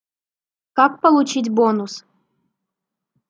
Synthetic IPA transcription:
kak̚pəlˠut͡ɕit̬ʲbonus

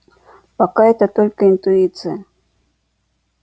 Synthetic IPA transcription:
pakaet̪at̪olʲkəɪnt̪ʊit̪sɨja

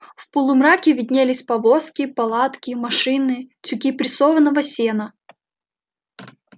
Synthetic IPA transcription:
fpəlˠʊmɾakʲɪvʲɪd̪ʲnʲelʲɪsʲpɐvoskʲɪpɐlˠat̪kʲɪmɐʂɨnɨt͡sʲʊkʲipɾʲɪsovənːəvəsʲenə

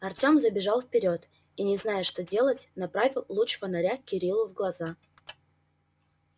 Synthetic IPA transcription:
ɐrtʲo̞mzəbʲɪʐɑlˠfpʲɪɾʲo̞t̪ | inʲɪznajəʂt̪o̞dʲe̞lˠətʲnɐpɾavʲɪlˠlˠut͡ʂvənɐɾʲakʲɪɾʲilˠʊvɡlˠɐza

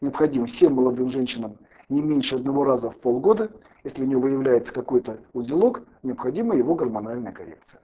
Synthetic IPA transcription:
nʲɪəpxɐdʲiməfsʲe̞mːəlˠɐd̪ɨmʐɛnʲɕːɪnəm | nʲɪmʲenʲʂɨɐd̪nɐvo̞ɾazəfpolˠɡo̞d̪ə | jesʲlʲɪʊnʲɪvovɨjɪvlʲæjɪt̪sə̥kɐko̞jt̪əʊzʲɪlˠo̞knʲɪəpxɐdʲiməjɪvo̞ɡərmɐnalʲnəjəkɐɾʲḛk̚t̪sɨ̥jə

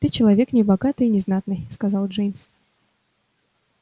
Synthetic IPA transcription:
t̪ɨt͡ɕɪlˠɐvʲe̞knʲɪbɐɡat̪ɨjnʲɪznat̪nɨjskɐzalˠʐejmʲs

